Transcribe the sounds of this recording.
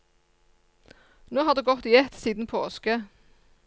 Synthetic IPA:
noːhɑːd̪ʉːɡɔt̪iːɛt̪siːd̪n̩pʰoːskə

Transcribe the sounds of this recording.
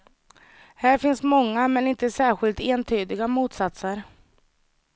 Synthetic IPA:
hæːɾfɪnsmɔŋːamɛnɪnt̪əsæːɾɧɪlt̪eːnt̪ʰyːd̪ɪɡamuːt̪sat̪səɾ

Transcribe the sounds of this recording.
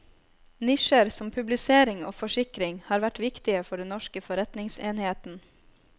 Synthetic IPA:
nɪʃəɾsɔmpʰʉblɪseːɾɪŋo̰ːfɔʂɪkɾɪŋhɑːɾʋæʈʋɪkt̪ɪəfɔɖɛnːɔʃkəfɔɾɛt̪nɪŋseːnheːt̪n̩

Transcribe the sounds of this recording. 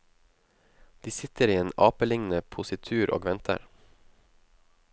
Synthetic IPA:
d̪̥iːsɪt̪əɾiːeːnɑːpəlɪŋnəpʰʊsɪt̪ʰʉːɾʔo̰ːɡʋɛnt̪ʰə̰ɾ

